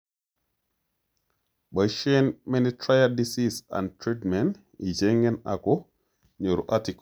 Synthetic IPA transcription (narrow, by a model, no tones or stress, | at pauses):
ɓəʃɛnmɛnitɾajadisisa̰ntɾitmɛn | id͡ʒɛŋɡɛna̰kɔ | ɲoɾuʔatik